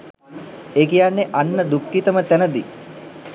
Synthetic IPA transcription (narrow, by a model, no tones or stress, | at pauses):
eːkijanːeʔanːəd̪ukːit̪əmət̪ænəd̪i